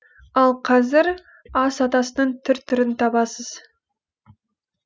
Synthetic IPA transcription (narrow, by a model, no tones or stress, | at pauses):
ɑlˠqʰɑzɪɾ | ɑsɑt̪ɑsənəɴt̪ʰʏɾt̪ʰʏɾɪnt̪ʰɑbɑsəz̥